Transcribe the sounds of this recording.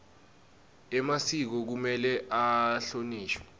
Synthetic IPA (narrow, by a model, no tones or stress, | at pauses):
ɛmasik̬ɔk̬umɛlɛʔaɬoniːʃwɛ